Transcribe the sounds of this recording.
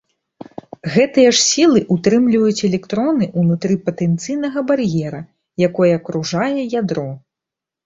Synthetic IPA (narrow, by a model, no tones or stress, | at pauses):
ɣɛt̪ɨjɐʂsʲilˠɨʔut̪ɾɨmlʲivɐjut͡sʲɛlʲɛkt̪ɾɔnɨʔunut̪ɾɨpɐt̪ɛnt̪sɨjnɐɣɐbarjɛɾɐ | jakɔjɛːkɾuʐajɛjad̪ɾɔ